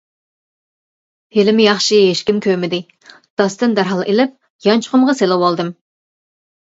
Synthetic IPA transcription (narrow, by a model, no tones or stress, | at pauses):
helɪmɪjɑχʃiɦeʃkʲimkʲʰømɪd̪ɪ | d̪̥ɑst̪ɨnd̪æɾɦɑlˠʔelɪp̚ | jɑnt͡ʃʰʊ̥χʊmʁɑselˠɪwɑlˠd̪ɨm